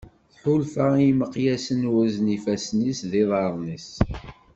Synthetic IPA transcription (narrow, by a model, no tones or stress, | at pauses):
θħulfæiməqjæsənwæznifæsnisðiðˤɑɾˤnis